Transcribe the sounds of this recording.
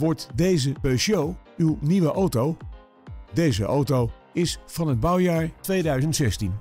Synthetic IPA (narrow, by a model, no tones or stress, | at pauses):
ʋɔɹtdejzəpøʃjowywniʋəʔowtow | dejzə̰ʔowtow | ɪsfɑnɦəd̚bʌwjaːɹtʋejdœɥzəntsɛstin